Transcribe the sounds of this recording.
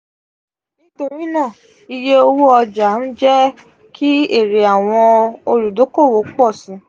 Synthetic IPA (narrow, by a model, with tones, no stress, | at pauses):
nĩ˦to˧ɾi˦nãː˦˨ | i˧je˦o˧wu˦ɔ˧d͡ʒa˨˦n̩˦d͡ʒɛ˦ | kʰi˦e˦˨ɾe˨a˨w̃ɔ̃˧o˧ɾu˨do˨˦ko˦˨wo˨˦k͡pɔ˦˨sĩ˨˦